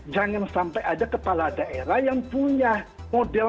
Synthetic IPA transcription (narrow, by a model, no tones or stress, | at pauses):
d͡ʒaŋansampajadakəpaladaʔeɾahjaŋpuɲamodɛl